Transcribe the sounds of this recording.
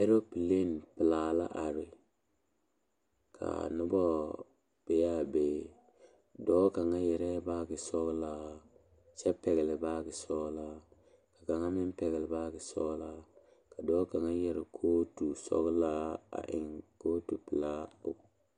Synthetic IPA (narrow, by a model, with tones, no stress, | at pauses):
e˦ɾo˦pi˨le˦n˨pɪ˨la˨la̰˦ʔa˨ɾɪ˨ | kʰa̰˨nʊ˦bɔ˦ | b̥e˨ja˦be˦ | dɔː˦ka˨ŋa˦jɛ˨ɾɛ˦baː˦ɡɪ˨sɔ˦ɣla˦ | sɛ˦pɛ˨ɡlɪ˨baː˦ɡɪ˨sɔ˦la˦ | ka˨ka˨ŋa˦mɪ˦npɛ˨ɡɪ˨lɪ˨baː˦ɡɪ˨sɔ˦la˦ | ka˨dɔː˨˦ka˨ŋa˦jɛ˦ɾɪ˨kʰoː˦tu˨sɔ̰˦ɣla˦a̰˨ʔɪ̰˨ŋkoː˦tu˨pɪ˨laː˦o̰˦